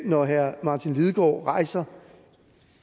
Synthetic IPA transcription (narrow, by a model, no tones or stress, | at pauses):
nɒɦæɐmɑ̈ːt͡sʰinliðˠɡ̥ɒ̰ːʁɑ̈ɪ̰sɐ